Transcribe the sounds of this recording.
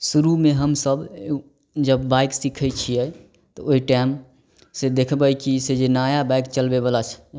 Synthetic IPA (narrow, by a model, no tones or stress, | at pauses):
suɾumeɦəmsəb | d͡ʒəbːajksikʰət͡ʃʰijɛ | t̪ɔoiʈam | sed̪ekʰbəjkised͡ʒenajabajkt͡ʃəlbebəlat͡ʃʰɛ̥